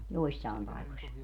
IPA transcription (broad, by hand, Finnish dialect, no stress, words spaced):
joisːɑˑem pɑikosʲ